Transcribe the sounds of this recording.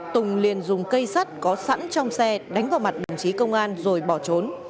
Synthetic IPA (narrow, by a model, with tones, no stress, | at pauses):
t̪ʊ˨˩ŋ͡mli˨˩ənzʊ˨˩ŋ͡mkə˧jsa˦˥t̚kɔ˨˦sa̰˧˥nt͡ɕɔ˧wŋ͡msɛ˧ɗa˨˦jŋ̟vaː˨˩ma˨˩t̚ɗə̰˨˩wŋ͡mt͡ɕi˨˦kə˧wŋ͡mʔaː˧nzo˨˩jɓɔ˧˩t͡ɕo˨˦n